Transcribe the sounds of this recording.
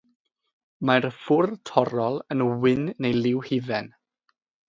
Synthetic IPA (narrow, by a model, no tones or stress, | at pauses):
marfʊrtʰɔɾɔlˠənwɪnːejlɪwhɪvɛn